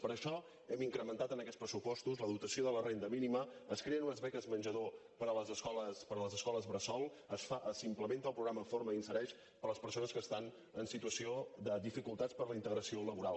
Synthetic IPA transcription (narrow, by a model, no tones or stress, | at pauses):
pəɾəʃɔ | ɛmiŋkɾəmənt̪at̪ənəkɛtt͡spɾəsupɔst̪uzləðut̪əsioðələrend̪əminiməːskɾeənunəzβɛkəzmənʲʒəðopəɾələzəskɔləspəɾələzəskɔləzβɾəsɔlˠ | əsfaʔəsimpləment̪əlˠpɾuɣɾaməfoɾməinsəɾɛʃ | pəɾləspəɾsonəskəst̪an | ənsit̪uəsioðəðifikulˠt̪at͡spəɾləint̪əɣɾəsioləβuɾalˠ